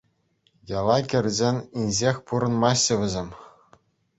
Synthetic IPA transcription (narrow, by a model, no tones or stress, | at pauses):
jɑlˠɑkʲɘ̆rʲzʲenʲinʲʑexʲpuɾɤ̆nmɑɕːɤ̆ʋʲɘ̆zʲemʲ